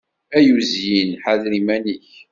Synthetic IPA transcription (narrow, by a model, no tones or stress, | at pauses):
æjuzjinħaðɾimæniç